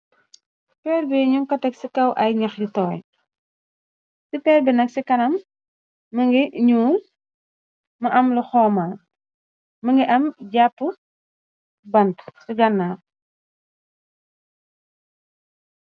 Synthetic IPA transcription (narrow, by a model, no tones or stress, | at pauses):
pɛːrbɛɲuŋkɐtɐksikɐwʔɐjɲɐxditɔːj | sipɛːrbɛnɐksikɐnɐmː | ɐŋɡiɲuːl | mɐʔɐmlɔxɔːma | mɐŋɡiʔɐmɟapːu | bɐntsiɡɐnːaː